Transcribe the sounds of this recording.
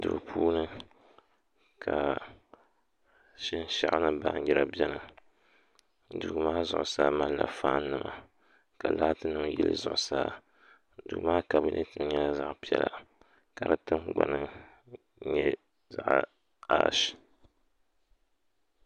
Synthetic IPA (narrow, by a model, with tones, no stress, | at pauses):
dɨ˨pʰuː˦nɨ˦ | kʰa˨ | ʃɪ˦n˦ʃa̰˦ʔnɨ˦ba˨˦jɛ˦ɾa˨bi˦ɛ˦nɨ˨ | du˨ɡmaː˦zʊ̰˦ʔʊ˨saː˦ma˦lla˨faː˦n˦nɨ˦ma˨ | ka˨la˦tɨ˦nɨ˦m˦jɛ˦lɨ̰˦zʊ˨ʔʊ˨saː˦ | du˨maː˦ka˨bɨ˦nʔɨ̰˦tɨ˦m˦ɲɛ˦la˦za˦ʔpi˦ɛ̰˦la̰˨ | ka˨ɾɨ˦tɨ˦mɡ͡ba˨nɨ˦ | ɲɛ˦ | za˨ʔ | a˦ʃ